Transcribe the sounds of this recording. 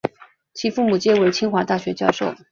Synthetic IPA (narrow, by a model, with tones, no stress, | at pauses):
t͡ɕʰi˧˥fu˥˩mu˨˩t͡ɕjɛ˥we˧˥ɪt͡ɕʰi˥ŋxwa˧˥t̪a˥˩ɕɥɛ˧˥t͡ɕjɑ˥˧ʊʂo˥˩ʊ